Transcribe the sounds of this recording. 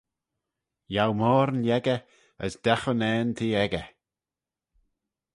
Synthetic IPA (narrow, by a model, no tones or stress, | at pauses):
jawmɔːɾnjɛɡə | əsd̪̥ɛxənɛːnt̪ʰiːɛɡə